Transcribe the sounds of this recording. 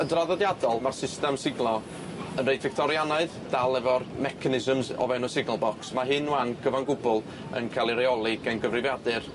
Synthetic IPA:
ədraðɔdjadɔlˠmarsɪstɛmsɪɡlˠɔ | ənrejdvɪk̚tʰɔɾjanaɨð | d̥alˠɛvɔrmɛkʰanɪzəmzɔ̰vɛwnɔsɪɡnəlˠbɔksmaɦɨnuwanɡ̥əvanɡʊbʊlˠ | ə̰nkʰalˠiɾeɔlˠɪɡɛnɡəvrɪvjadɨr

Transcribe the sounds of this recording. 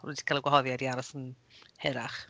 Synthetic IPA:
rṵdi̥kʰalɛɡwaɦɔðjadiaɾɔsən | hɛɾaχ

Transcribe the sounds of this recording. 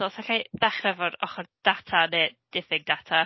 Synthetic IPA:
ɔlˠsaɬajðaχrɛvɔɾɔ̰χɔrd̥atʰaneːd̥ɪfɪɡ̚datʰa

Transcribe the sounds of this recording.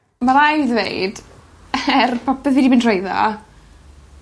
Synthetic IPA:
maɾajðvḛjd̥ | ɛrpʰɔpɛðidibintʰrejðɔ̰

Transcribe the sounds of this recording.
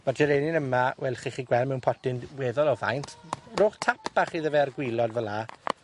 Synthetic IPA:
mad͡ʒɛɾeːnɪnəmawɛlˠχiχiːɡwɛlmɛwnpʰɔdɪndwɛːðɔlˠɔva̰jntʰroːχtʰapʰb̥aχiðəvɛarɡwɪlˠɔdvəlˠa

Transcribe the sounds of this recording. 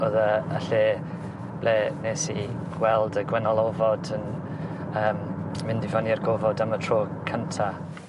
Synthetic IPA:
oːðəəɬeː | b̥leːneːsḭɡ̥wɛlˠdəɡwɛnalˠɔvɔdən | əːmmɪndɪvaniarɡovɔdamətʰroːkʰəntʰa

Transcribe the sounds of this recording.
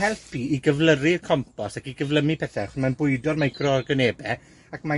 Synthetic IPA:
hɛlˠpʰiːɡəvlˠərirkʰɔmpʰɔsakiɡəvlˠəmipʰɛθɛχʊnmanbʊɨdɔrmajɡrɔrɡəneːbɛ | akma

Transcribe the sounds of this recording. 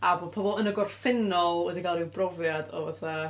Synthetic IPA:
avɔpʰɔbɔlˠənəɡɔrfɪnɔlˠwɛdiɡalˠibrɔvjadɔ̰vaθa

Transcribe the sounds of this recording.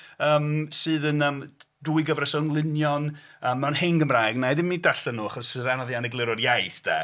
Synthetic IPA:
əːmsɨːðənəːm | duɨɡəvrəsɔnlˠɪnjɔnəːmːɛwnhɪŋɡəmrajɡnajdɪmːidaɬɛnuːaχɔsɨðanɔðjanɛɡlˠɪɾɔrjajθd̥ɛ̰

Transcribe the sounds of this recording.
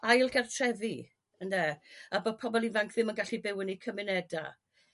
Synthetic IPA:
ajlˠɡɛrtʰrɛði | əndɛabod̚pʰɔbɔlˠivaŋkʰðɪmənɡaɬibɪwənikʰəmɪnɛda̰

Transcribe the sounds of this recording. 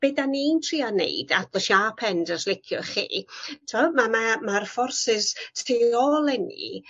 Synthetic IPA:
b̥ɛdanintʰriːanḛɨd̥atləʃaːpʰɛndəslɪkʰjʊχḭːtʰamamamarfɔrsɪssiɔlˠɛnḭ

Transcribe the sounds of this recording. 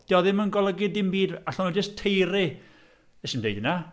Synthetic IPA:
d̥jɔðɪmənɡɔlˠəɡɪdɪmbiːdaɬɔnɔd͡ʒəstʰejɾɪ | ɛʃɪmdḛjdɪna

